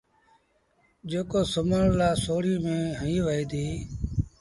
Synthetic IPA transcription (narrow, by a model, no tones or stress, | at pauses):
d͡ʒeːkoːsəməɳlaːsoːɽiːmẽːɦəĩːʋəiːd̪iː